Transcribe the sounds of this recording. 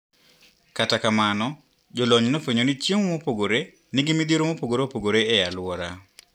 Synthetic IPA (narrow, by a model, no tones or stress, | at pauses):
katakamanɔ | d͡ʒɔlɔɲnofeɲonit͡ʃjeŋomopoɡoɾe | nɪɡimid̪iɾomopoɡoɾopoɡoɾeɛjalwɔɾa